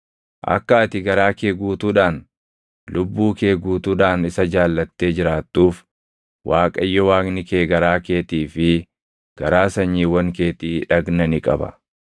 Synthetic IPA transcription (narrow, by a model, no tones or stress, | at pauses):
ʔɐ̰kːɐːt̪ɪɡɐɾaːkeːɡuːt̪uːᶑaːn | lʔʊbːuːkeːɡuːt̪uːᶑaːnɪsɐd͡ʒaːlːɐt̪ːe̞ːd͡ʒɪɾaːt̪ːuːf | wʔaːkʼɐjːɔwaːɡnɪkeːɡɐɾaːke̞ːt̪iːfɪ | ɡ̥ɐɾaːsɐɲːiːwɐŋke̞ːt̪iːᶑɐɡnɐnɪkʼɐ̰bɐ̰